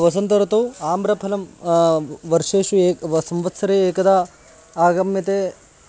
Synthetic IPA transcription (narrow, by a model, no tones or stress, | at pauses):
ʋɐsɐnt̪ɐɾɐt̪uaːmbɾɐpʰɐlɐm | ʋɐɾʂeːʂueːsɐmʋɐt̪sɐɾeeːkɐd̪a | aːɡɐmjɐt̪eː